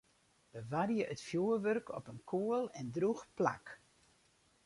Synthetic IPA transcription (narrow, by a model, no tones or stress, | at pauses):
ʋəʋarjəʔətfjuərʋørkʰɔ̰pənkʰuəlˠɛndruxpla̰k